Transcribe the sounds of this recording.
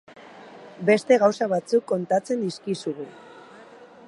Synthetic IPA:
be̞st̪e̞ɣawsaβat͡sukːo̞nt̪at͡se̞nd̪iskisuɣu

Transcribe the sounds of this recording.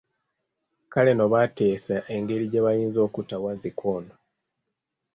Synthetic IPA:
kale̞no̞βate̞ːsaʔe̞ŋɡe̞ɾiɟeβajiːnzo̞ːkutawazikʰono

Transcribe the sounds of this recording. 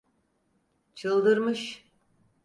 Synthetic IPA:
t͡ʃʰɯlˠd̪ɯɾmɯʃ

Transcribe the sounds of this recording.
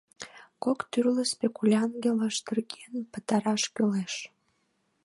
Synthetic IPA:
kokt̪yrləspekulʲɑnɡʲeləʃt̪ərɡenpə̆t̪ɑɾɑʃkyleʃ

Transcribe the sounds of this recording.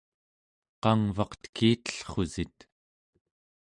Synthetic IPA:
qɑŋvɑqt̪kʰiːt̪ə̥ɬχozit̪

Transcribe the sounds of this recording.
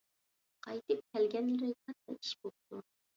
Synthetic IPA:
qʰɑjt̪ɨp̚kʲʰɛlɡʲɛnlɾɪt̪ɑɛ̰i̥ʃbop̚t̪u

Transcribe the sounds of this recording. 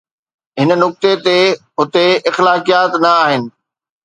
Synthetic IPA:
ɦɪnə̆nʊk̚t̪et̪eɦʊt̪eɪxlaːkijaːt̪nɐaːɦɪnɪ̆

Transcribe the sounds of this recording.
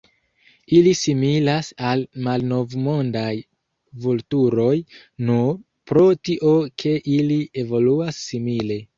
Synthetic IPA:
ilisimilasalmalno̞vmo̞ndaj | vultuɾo̞j | nu | pɾo̞tiʔo̞kʰe̞ʔilie̞vo̞luasːimile̞

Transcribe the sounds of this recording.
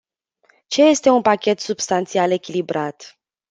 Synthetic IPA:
t͡ʃe̞je̞st̪e̞unpakʲe̞t̪subst̪ant̪siale̞kʲilibɾat̪

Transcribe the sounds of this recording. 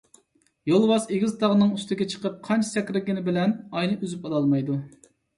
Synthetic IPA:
jolˠwɑseɡʲizt̪ʰɑʁənɨŋyst̪ɪɡʲɛt͡ʃʰə̥qəp̚qʰɑnt͡ʃʰsɛkʲɾɪɡʲɪnɪbɪlɛnɑjnɨʔyzypɑlˠɑlˠmɑjd̪u

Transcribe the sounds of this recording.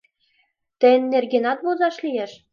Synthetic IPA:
t̪ɘ̆nʲːerɡʲenɑt̪̚βozɑʃlʲijeʃ

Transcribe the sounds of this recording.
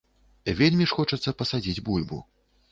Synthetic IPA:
vʲelʲmʲiʂxɔt͡ʂɐt̪sːɐpɐsad͡zʲid͡zʲbulʲbṵ

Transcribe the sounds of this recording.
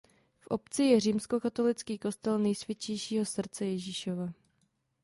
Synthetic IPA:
fʔo̞pt͡sɪjɛr̝iːmsko̞kat̪o̞lɪt͡skiːko̞st̪ɛlnɛjsvjɪt͡ʃɛjʃiːɦo̞sr̩t͡sɛjɛʒiʃova

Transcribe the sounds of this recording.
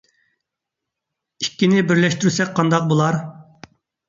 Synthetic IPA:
ikʲːinɪbɪɾlɛʃt̪yɾysɛk̚ʲqʰɑnd̪ɑq̚bolˠɑɾ

